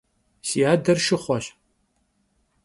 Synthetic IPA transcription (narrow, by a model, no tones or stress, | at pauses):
siaːdɐrʃɪχʷɔɕ